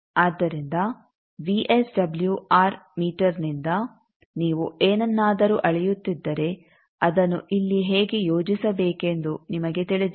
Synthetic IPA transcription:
aːd̪ːɐɾind̪ɐ | ʋiʔesɖɐbljuaːɾmiːʈɐɾnind̪ɐ | niːʋueːnɐnːaːd̪ɐɾuːʔɐɭijut̪ːid̪ːɐɾe̞ | ɐd̪ɐnːuʔilːiɦeːɡejoːd͡ʒisɐbeːke̞nd̪unimɐɡe̞t̪iɭid̪

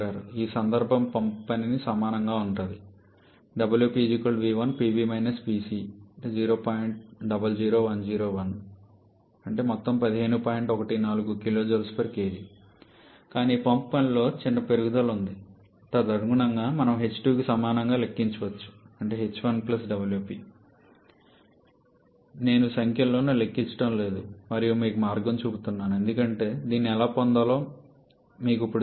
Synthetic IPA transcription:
aːɾuiːsɐnd̪ɐɾbʱɐmpɐmppɐninisɐmaːnɐŋɡaːuɳʈɐnd̪i | ɖɐbɐljuːpiːd͡ʒikoɭɖʋiːʋɐnpiːbiːmɐjnɐspiːsiːɐd͡ʒiːɾo̞ːpaːjiɳʈ̚ɖɐbɐld͡ʒiːɾo̞ːʋɐnd͡ʒiːɾo̞ːʋɐn | ɐɳʈeːmɔt̪ːɐmpɐd̪iɦe̞ːnupaːjiɳʈɔkɐʈinaːluɡukilo̞ːd͡ʒolspɐɾkeːɾi | kaːniːpɐmppɐnlo̞ːt͡ʃiɳɖɐpe̞ɾuɡud̪ɐlund̪i | t̪ɐd̪ɐɾɡuɳɐŋɡaːmɐnɐmɦe̞t͡ʃːʈuːkisɐmaːnɐŋɡaːle̞kːiɲt͡ʃɐʋɐt͡ʃːu̥ɐɳʈe̞ːɦet͡ʃːuʋɐnplɐsɖɐbɐljuːpiː | ne̞ːnusɐŋkjɐlːo̞ːnulekːiɲt͡ʃːɐ̥ʈɐmle̞ːd̪umɐɾijumiːkumaːɾɡɐmt͡ʃuːbut̪unːaːnue̞nd̪ukɐɳʈe̞ːd̪iːnːiɛlaːpɔnd̪ɐlo̞ː | miːkuipːuɽ

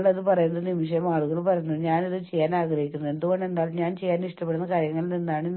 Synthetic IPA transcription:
ɭɐðɨpɐrɐjunːɐðɨnimiʂɐjɐmaːɭuɣɐɭpɐrɐjunːɐðɨɲaːniðɨt͡ɕe̞jːaːnaːɡɾɐɦikʲːunːɐe̞nd̪uɣo̞ɳɖe̞nd̪aːlumɲaːnt͡ɕe̞jːaːniʂʈɐpeɽunːɐkaːɾjɐŋːɐɭilninːaːɳɨ

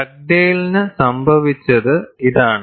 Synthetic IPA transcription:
ɐk̚ɖejilnɨsɐmbʱɐʋit͡ɕːɐðɨiðaːɳɨ

